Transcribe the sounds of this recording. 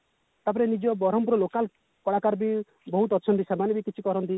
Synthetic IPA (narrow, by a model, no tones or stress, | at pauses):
t̪ap̬ɔɾenid͡ʒɔbɔɾɔmpɾɔlokal | kɔɽakaɾbi | bɔɦut̪ɔːt͡ʃʰɔnt̪isemanebikit͡ʃʰikɔɾɔnt̪i